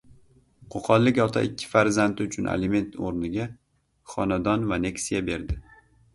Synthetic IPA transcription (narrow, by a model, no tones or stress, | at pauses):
qʰoqʰɒlˠːɪkʲɒt̪ʰa̰ʔɪkʲʰːɪ̥faɾzant̪ɪʊt͡ʃʰʊnʔḛlɪme̞nt̪oɾnɪɡʲa | χɒnad̪ɒnvane̞ksijabe̞ɾd̪ɪ